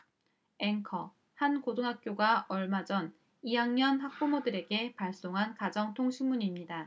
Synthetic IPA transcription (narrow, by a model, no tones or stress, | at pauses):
e̞ŋkʰʌ | hankodoŋɦak̚k͈joɡaʌɭmad͡ʑʌn | ijaŋɲʌnɦak̚p͈omodɯɾe̞ɡe̞paɭs͈oŋɦankad͡ʑʌŋtʰoŋɕʰimuɲimɲida